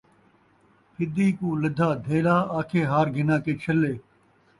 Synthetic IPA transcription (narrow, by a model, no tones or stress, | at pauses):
pʰɪd̪iːkũːləd̪ʱaːd̪ʱeːlaːaːkʰeːɦaːɾɡʱɪnãːkeːt͡ʃʰəleː